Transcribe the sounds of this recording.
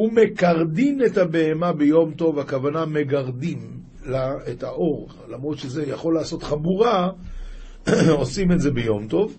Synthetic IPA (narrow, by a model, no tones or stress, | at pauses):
hume̞kaʁd̪inethabeemabejo̞mto̞vakavaname̞ɡaʁd̪im | laetaʔo̞ʁ | lamʁo̞d̪ʃeze̞jaχo̞lːaːso̞t̪χabuʁa | o̞simetze̞bejo̞mt̪o̞v